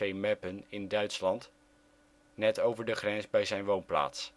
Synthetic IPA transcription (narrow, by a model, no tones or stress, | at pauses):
ejmɛpənɪndœɥtslɑnt | nɛtowvəɹdəχrɛnzbɛjzɛjnʋownpla̰ːts